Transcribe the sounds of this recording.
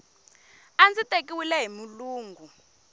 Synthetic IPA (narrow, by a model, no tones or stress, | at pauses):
and͡zitʼekʼiwilɛɦimuluːŋɡʱu